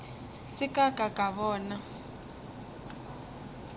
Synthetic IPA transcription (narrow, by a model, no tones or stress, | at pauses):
sɪkʼakʼakʼaβɔːna